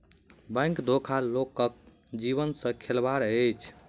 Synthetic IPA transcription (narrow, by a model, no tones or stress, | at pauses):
bə̃ŋkd̪ʱokʰalokək̚ | d͡ʒiβənsə̃kʰelbaɾəjt͡ʃʰ